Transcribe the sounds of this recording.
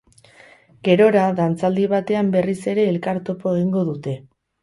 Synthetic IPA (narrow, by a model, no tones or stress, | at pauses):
ɡe̞ɾo̞ɾaðant͡sald̪iβ̞at̪e̞ambe̞rise̞ɾe̞ːlkaɾt̪o̞poeɣ̞iŋɡo̞ðut̪e̞